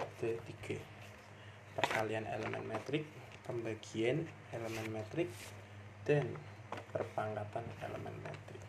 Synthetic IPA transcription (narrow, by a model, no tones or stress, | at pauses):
d̪̥ə̤t̪iɡ̥a̤ | pərkalianʔḛləmɛ̰nmet̪ɾɪk̚ | pəmbaɡ̥iɛn | eləmɛnmet̪ɾɪk̚ | d̪̥anpərpaŋkat̪anḛlə̰mɛ̰nmḛt̪ɾɪk̚